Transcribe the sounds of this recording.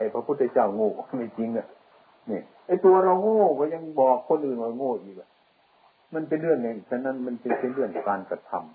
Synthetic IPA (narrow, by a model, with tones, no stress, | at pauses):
a˨˩jpʰa˧pʰu˧˥˩t̪ʰːa˧˩t͡ɕaː˧˥˩wŋoː˧˩˨ma˧˩t͡ɕi˧˦ŋa˧˩ | ni˧˩ | ʔa˧˩jt̪u˧ɐ˧ɾa˧wŋoː˧˥˩kɔː˧˦ɲa˧˥˨ŋbɔː˨˩kʰːo˧˥˨nʔɯː˨˩˨nka˧˩ŋoː˧˩˨ʔiː˧˩ba˧˩ | ma˧˥˨npe˧nlɯ˥˩əŋːa˧˩˨sʰa˧˨na˧˥˨nma˧˥˨npe˧npe˧˨nlɯ˧˩əŋkaː˨nka˧˩t̪ʰa̰˧˨m